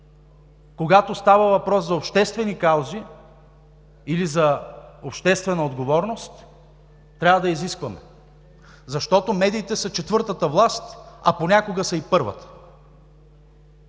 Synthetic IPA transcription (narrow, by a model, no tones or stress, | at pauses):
koɡat̪ost̪avəvɐpɾɔszɐopʃt̪ɛst̪vɛnikalˠzi | ilizɐopʃt̪ɛst̪vɛnəod̪ɡovɔɾnost̪ː | ɾʲavəd̪ɐiziskvɐmɛ̰ | zɐʃt̪ɔt̪omɛd̪iːt̪ɛsɐt͡ʃɛt̪vɤɾt̪ət̪əvlˠast̪ɐponʲakoɡəsɐipɤɾvə̰t̪ə̥